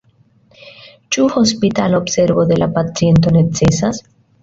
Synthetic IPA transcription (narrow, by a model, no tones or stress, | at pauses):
t͡ʃuho̞spitalobse̞ɾbo̞d̪e̞lapat͡sie̞nt̬o̞ne̞t͡se̞sas